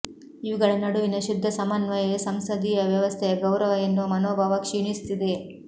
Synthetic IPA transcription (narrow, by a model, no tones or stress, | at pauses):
iʋiɡɐɭɐnɐɽuʋinɐʃud̪ʱːɐsɐmɐnʋɐjɐsɐmsɐd̪ijɐʋjɐʋɐst̪ʰɛjɐɡɐwɾɐʋɐjɐnːumɐnoːbʱaːʋɐkʂiɳist̪id̪e